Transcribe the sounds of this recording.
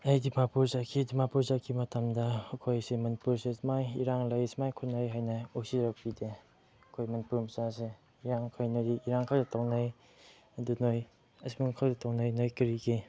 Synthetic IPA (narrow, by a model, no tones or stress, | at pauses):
ɐjdimapuɾzakʰidimapuɾzakʰimɐtamdɐːkʰojsemɐnipuɾsesmajiɾaŋlɐjsmajkʰutnajɦajnɐosiɾɐk̚pide | ɐkʰojmɐnipuɾmɐsase | iɾaŋkʰojnɐdiʔiɾaŋkʰaldɐtawnaj | ɐdunoj | ɐsmiŋkʰaldɐtawnajnojkiɾiki